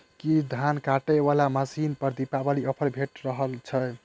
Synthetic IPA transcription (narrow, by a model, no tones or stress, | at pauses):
kid̪ʱankaʈəbalamasinpəɾd̪ipabaliɔpʰəɾbʱeʈɾəɦəlt͡ʃʰə